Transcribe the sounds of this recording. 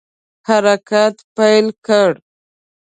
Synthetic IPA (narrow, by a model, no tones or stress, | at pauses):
haɾakat̪pajlkəɽ